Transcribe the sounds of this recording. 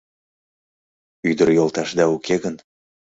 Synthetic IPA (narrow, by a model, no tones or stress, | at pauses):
yd̪ərjolˠt̪ɑʃd̪ɑukʰeɣən